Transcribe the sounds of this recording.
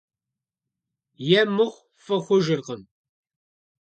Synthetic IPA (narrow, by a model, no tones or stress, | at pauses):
jæmːʊχ | fəχʊʒəɾqən